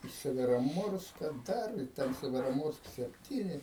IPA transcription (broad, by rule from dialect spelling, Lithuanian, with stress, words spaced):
ɪ sʲɛʋʲɛroːˈmoːrskɐ ˈdɐr ɪ ˈtʲɛn sʲɛʋʲɛroːˈmoːrsk sʲɛpʲˈtʲiːnʲɪ